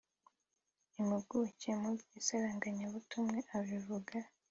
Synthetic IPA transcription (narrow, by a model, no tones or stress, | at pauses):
imibɡucemuisaɾaŋɡaɲaβutumŋe̞ʔaβivuɡa